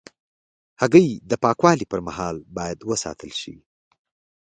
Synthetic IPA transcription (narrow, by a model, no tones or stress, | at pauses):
haɣəjd̪əpɑkwɑlipəɾmahɑlbɑjad̪wəsɑ̰t̪ʰəlʃḭ